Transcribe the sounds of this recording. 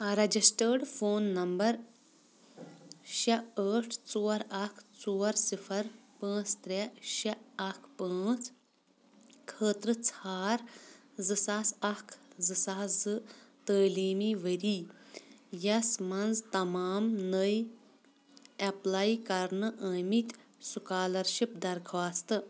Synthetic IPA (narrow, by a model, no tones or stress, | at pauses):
ɾɐd͡ʒisʈəːɖfoːnːɐmbɐɾ | ʃɐəːʈʰt͡soːɐɾɐkʰt͡soːɐɾsifʰɐɾpə̃ːt͡st̪ɾeʃɐɐkʰpə̃ːt͡s | kʰəːt̪ɾɨt͡sʰaːɾ | zɨsaːsɐkʰzɨsaːzɨt̪əːliːmiːʋəɾiː | jɐsmɐnzt̪ɐmaːmnəj | ɐplaːjkɐɾnɨʔəːmit̪ʲsukaːlɐɾʃipd̪ɐɾɡʰʋaːst̪ɨ